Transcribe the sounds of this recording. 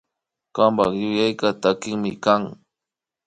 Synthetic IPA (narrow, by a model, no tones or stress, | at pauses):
kampaχjʊjajkat̪akɪŋmɪkaŋ